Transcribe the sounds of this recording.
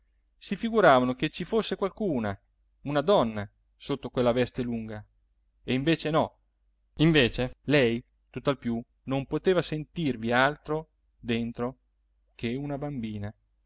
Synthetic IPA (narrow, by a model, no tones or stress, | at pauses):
sifiɡuɾaːvanoket͡ʃːifosːekwalkuːna | unad̪ɔnːa | sot̪ːokwelːavɛst̪eluŋɡa | eiɱveːt͡ʃenɔ | iɱveːt͡ʃelɛj | t̪ut̪ːalpju | nompot̪eːvasent̪irvialt̪ɾo | d̪ent̪ɾo | kʰeunabambiːna